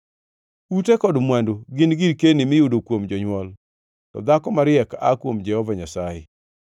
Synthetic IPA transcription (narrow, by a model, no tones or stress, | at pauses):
utekɔdmwandoɡɪnɡiɾkenɪmɪjudokwomd͡ʒɔɲwɔl | tɔ̰d̪akɔmaɾɪɛka̰kwomd͡ʒɛhɔvaɲasajɛ̰